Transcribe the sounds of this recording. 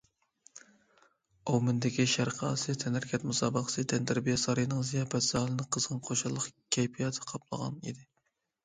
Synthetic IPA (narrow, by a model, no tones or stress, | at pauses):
owmɪnd̪ɪkʲiʃæɾqʰəɑ̰sɨt̪ʰɛnæɾkʲʰɛt̪musɑːbəqə̥sɨt̪ʰɛnt̪æɾbijsɑɾɨjnɨŋzijɑːpɛt̪zɑhlˠɨnɨqʰəzʁəŋqʰoʃɑlˠːəqkʲʰɛjpʰijɑt̪ʰɨ̥qʰɑplˠə̰ʁɑ̰nḭd̪ɪ